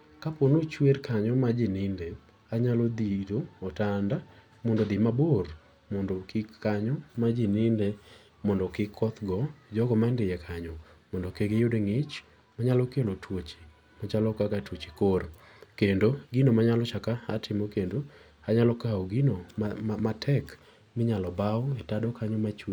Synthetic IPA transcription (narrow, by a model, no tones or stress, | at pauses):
kaponot͡ʃwerkʰaɲɔmad͡ʒɪnɪnde | aɲalɔd̪idoɔtanda | mondod̪ɪmabor | mondokɪkːaɲɔmad͡ʒɪnɪnde | mɔndɔkɪkʰːɔt̪ɡɔd͡ʒɔɡɔmandɪjɛkʰaɲɔmɔndɔkeɡejodeŋɪt͡ʃ | maɲalɔkelotʰwot͡ʃe̥ | mɔt͡ʃalɔkakatwot͡ʃi̥kor | kendoɡinomaɲalɔt͡ʃakaa̰tʰɪmokendo | haɲalɔkaɔɡinomatʰɛk | mɪɲalɔbaɔɛtadɔkaɲɔmat͡ʃu